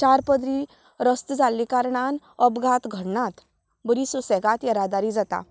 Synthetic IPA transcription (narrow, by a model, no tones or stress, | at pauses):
t͡ɕaɾpəd̪ɾiː | ɾəst̪d͡zalːikaɾɳan | əbɡʱat̪ɡʱəɽɳat̪ | bəɾisusɛɡat̪ɛɾad̪aɾiːd͡zat̪a̰